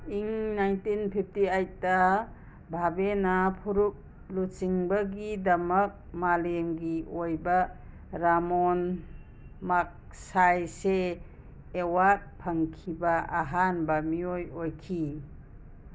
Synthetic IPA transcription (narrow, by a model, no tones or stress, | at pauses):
iŋnajntinpʰip̚ʰtiajta | bʱabenapʰuɾuk̚ | lut͡ʃiŋbɐɡidɐmɐk̚malemɡiojba | ɾamon | mak̚ | sajseː | wat̚pʰɐŋkʰibaa̰ɦanbɐmiojojkʰi